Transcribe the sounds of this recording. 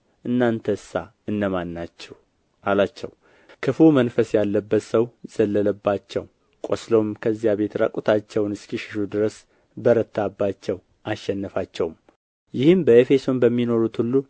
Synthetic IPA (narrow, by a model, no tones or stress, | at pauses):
ʔɨnːant̪ʰəɨsːa | ɨnːəmanːat͡ʃːɛw | ʔalat͡ʃːɛw | kʰɨfumənfəsjalːəbːət̪səwz̥əlːələbːat͡ʃːɛ̰w | kʼoslo̞mkʰəzːijaβe̞t̪ɾə̰kʼut̪ʰat͡ʃːɛwnɨskiʃɪ̥ʃud̪ɨɾəs | bəɾət̪ʰːabːat͡ʃːɛw | aʃːɛnːəfat͡ʃːɛwum | jɪhɨmbəefe̞so̞nbəmːino̞ɾut̪hulːu